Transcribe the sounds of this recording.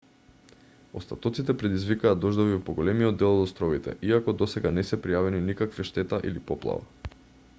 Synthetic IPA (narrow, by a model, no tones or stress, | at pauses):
ɔ̰st̪at̪ɔt̪sit̪ɛpɾɛd̪izvikaːd̪d̪ɔʒd̪ovivpɔɡolɛmiɔd̪ːɛlˠɔd̪ɔst̪ɾɔvit̪ɛ̰ʔiakɔd̪ɔsɛɡanɛsɛpɾijavɛninikakviʃt̪ɛt̪aʔḭlipɔplˠa̰va̰